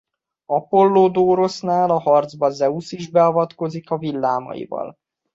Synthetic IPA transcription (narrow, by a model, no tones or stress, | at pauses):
ɒpo̞lːoːd̪oːɾo̞snaːlɒhɒrd̪zbɒzɛusiʒbɛɒvɒt̪ko̞zikɒvilːaːmɒ̰jḭvɒ̰l